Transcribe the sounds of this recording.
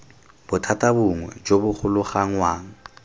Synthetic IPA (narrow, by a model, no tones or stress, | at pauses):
b̥ʊtʰatʼabʊŋwɛ̰d͡ʒobʊχʰʊlʊχaŋ̩waːŋ̩